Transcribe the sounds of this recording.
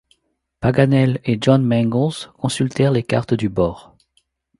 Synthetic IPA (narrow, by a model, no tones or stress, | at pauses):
paɡanɛleʒɔnmɛ̃ŋɡɔ̃zkɔ̃sylt̪ɛʁleka̰ʁt̪d̪ybɔːʁ